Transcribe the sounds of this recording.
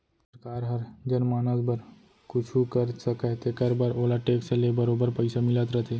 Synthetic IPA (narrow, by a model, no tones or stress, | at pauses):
səɾkaːɾɦəɾd͡ʒənmaːnəsbəɾ | kʊt͡ʃʰukəɾsəkaɦt̪ekəɾbaɾolaʈeːksəlebəɾobəɾpəjsamɪlət̪ɾət̪ʰe